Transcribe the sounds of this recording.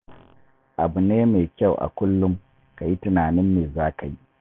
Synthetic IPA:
ʔa˨bu˨neː˦me˨kʲa˦˨wʔa̰˨kʷʊ˦lːʊ˦m | ka˨ji˦tɪ˨naː˨nɪ˦mːeː˨zaː˦ka˨ji˦ʔ

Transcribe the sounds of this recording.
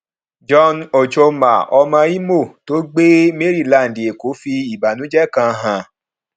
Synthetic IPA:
d͡ʒɔ˧no˨t͡ʃo˧ma̰˨ɔ˧mã˧i˦mo˦˨to˨˦ɡ͡be˦me˦ɾi˦˨la˨n̩˨de˨ko˨˦fi˧i˨ba˨nũ˨˦d͡ʒɛ˦kã˧ɦã˨

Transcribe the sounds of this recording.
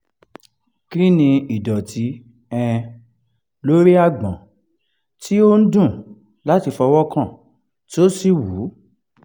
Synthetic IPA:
kɾi˦nĩ˧i˨dɔ˨ti˨˦ | ɛ̃˧ | lo˦ɾi˦a˦˨ɡ͡bã˨ | tʰi˦o˦n̩˦dũ˦˨ | la˦ti˧fɔ˧wɔ˦kã˦˨ | to˦si˦˨wu˨˦

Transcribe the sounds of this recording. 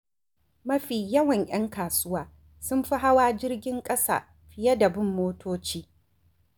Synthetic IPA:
mɐ˦ɸiː˨jɐ˦wɐ˨ɲʔj̰ɐ˦ŋkaː˨sʊ˦waː˨ | sʊ˦mɸi˦ɦa˦waː˦d͡ʒɪ˦rɡʲɪ˦ŋkʼɐ˦sa̰ː˨ | ɸɪ˨jɐ˦dɐ˨bɪ˦mːoː˦tʰoː˦t͡ʃiː˦

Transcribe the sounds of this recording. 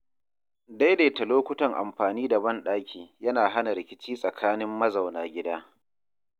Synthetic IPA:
da˦jdeː˨tɐ˨loː˦kʷʊ˦tɐ˨ŋʔa̰˨mɸaː˨niː˦da˨bɐ˦nɗaː˦kʲiː˨jɐ˦naː˨ɦa˦na˨ɾɪ˨kʲɪ˦t͡ʃiː˦sʼɐ˨kʰaː˦nɪ˦mːɐ˦za˨wnaː˨ɡʲɪ˦daː˦

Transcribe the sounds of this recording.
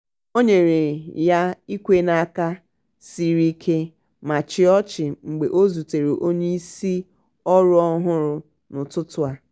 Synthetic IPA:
o˦ɲe˨ɾe˨ja˦i˦kʷe˦na˦ka˦ | si˦ɾi˦kʰe˦ | ma˨t͡ʃɪ˦ɔ˦t͡ʃɪ˨ŋ͡m̩˨ɡ͡be˨ʔo˦zu˨te˨ɾe˨ʔo˦ɲe˦i˦si˦ | ɔ˦ɾʊ˦ɔ˦ɦʊ˦ɾʊ˦ | nʊ˨tʊ˦tʊ˦a˦

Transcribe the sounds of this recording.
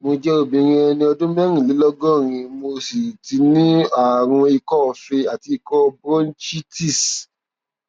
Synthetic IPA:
mo˧d͡ʒɛ˦o˦˨bĩ˨˧ɾ̃ĩ˧˦ɛ˧nĩ˧ɔ˧dõ˦mɛ˦ɾ̃ĩ˨li˨˦lɔ˦ɡɔ̃˦˨ɾ̃ĩ˧mo˧si˨ti˧nĩ˦a˨w̃ɔ̃˧i˧kɔ˦ɔ˧fe˧a˨ti˧i˧kɔ˦˧bɔ˦n̩˦t͡ʃi˦ti˦˨s

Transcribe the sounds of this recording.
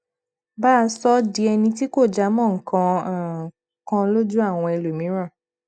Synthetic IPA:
baː˦˧sɔ˦di˧˦ɛ˧nĩ˧ti˦ko˦˨d͡ʒa˨˦mɔ̃˦˨ŋ̩˨kã˧˨ | kã˧lo˦d͡ʒu˦a˦˨w̃ɔ̃˧ɛ˧lo˨mĩ˨˦ɾ̃ã˦˨

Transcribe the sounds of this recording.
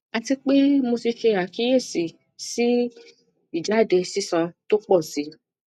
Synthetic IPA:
a˨˧ti˧k͡pe˦mo˧si˧fe˧a˨ki˨˦je˦˨si˨ | si˦ | i˨d͡ʒa˨˦˨de˧si˦sɔ̃˧to˦k͡pɔ˦˨si˨˦

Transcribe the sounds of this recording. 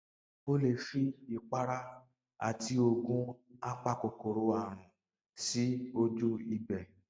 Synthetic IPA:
o˦le˨ʃi˦i˨k͡pa˦ɾa˦ | a̰˨ti˦o˧ɡũ˦a˦k͡pa˧ko˨ko˨ɾo˨˧˦a˦˨ɾ̃ũ˨ | si˦o˧d͡ʒu˦i˨bɛ˨

